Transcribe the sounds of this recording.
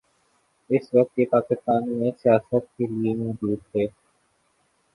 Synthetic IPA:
ɪsʋɐk̚t̪jeːpaːkɪst̪aːnmẽsɪjaːsət̪̚keliemɔːd͡ʒuːd̪̚teː

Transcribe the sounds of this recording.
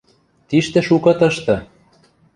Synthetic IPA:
t̪iʃt̪ĕʃukɤ̆t̪ɤ̆ʃt̪ɤ̆

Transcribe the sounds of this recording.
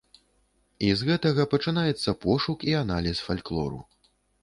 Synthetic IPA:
izɣɛt̪ɐɣɐpɐt͡ʂɨnajɛt̪sːɐpɔʂukianalʲisfalʲklˠɔ̰ɾṵ

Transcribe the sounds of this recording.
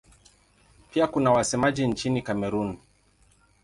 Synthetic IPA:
piakunawasɛmaʄint͡ʃinikamɛɾun

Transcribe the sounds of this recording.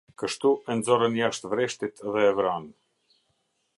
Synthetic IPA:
kəʃt̪uʔɛnzɔɾənjaʃt̪vɾɛʃt̪it̪ðɛːvɾan

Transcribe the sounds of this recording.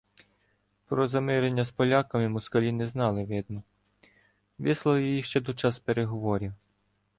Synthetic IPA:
pɾɔzɐmɪɾenʲːɐspɔlʲakɐmɪmɔskɐlʲinɛznɑlˠɪʋɪd̪̚nɔ | ʋɪslˠɐlˠjijiʃt͡ʃɛd̪ɔt͡ʃɑspeɾeɦɔʋɔɾʲiw

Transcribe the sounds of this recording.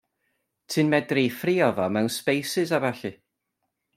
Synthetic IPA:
tʰɨnmɛdrifriːɔvɔmɛwnspejsɪzavaɬɨ

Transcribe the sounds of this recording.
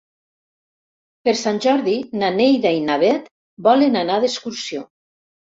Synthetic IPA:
peɾsanʲʒɔɾðinanejðainaβɛt̪ | bɔlenanaðeskuɾsio

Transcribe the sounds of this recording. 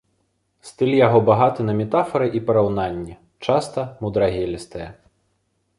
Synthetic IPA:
st̪ɨlʲjaɣɔbaɣat̪ɨnɐmʲɛt̪afɐɾɨʔipɐɾawn̪anʲːɛ | t͡ʂast̪ɐmud̪ɾaɣʲɛlʲɛst̪ɐjɛ

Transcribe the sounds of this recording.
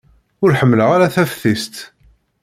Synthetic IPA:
ʊɾħəmːləʁaɾaθæfθist̪

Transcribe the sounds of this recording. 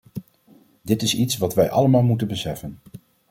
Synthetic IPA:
dɪtɪsitsʋɑtʋɛjʔɑ̰ləmaːlˠmutənbəsɛfən

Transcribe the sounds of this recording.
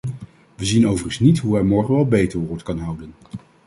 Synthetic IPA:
ʋəzinowvərənsnitɦuɛɹmɔɹχənʋɛlˠbejtəɹɦʊːɹtkɑnɦʌwdən

